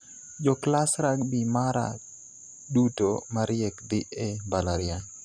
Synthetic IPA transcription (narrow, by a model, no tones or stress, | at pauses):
d͡ʒɔklasɾakbimaɾa̰ | dutomaɾjɛkd̪iʔebalaɾia